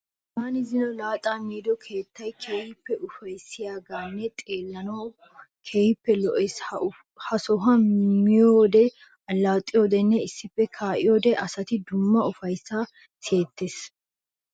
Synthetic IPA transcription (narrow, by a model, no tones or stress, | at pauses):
taːnɪzɪnɔlaːt̪ʼamiːd̪ɔkʰe̞ːt̪ːɐjkʰeːjɪpːɛʔʊfɐjsɪjaːɡaːnːɛt̪ʼe̞ːlːɐnɔ | kʰeːjɪpːɛlɔʔes | hɐsɔɦɐmɪjoːd̪ɛ | ɐlːawt̪ʼːɪjoːd̪ɛnːɛɪsːɪpːɛkʰaːʔɪjoːd̪ɛʔɐsɐt̪ɪd̪ʊmːɐʊfɐjsːa | se̞ːt̪ːes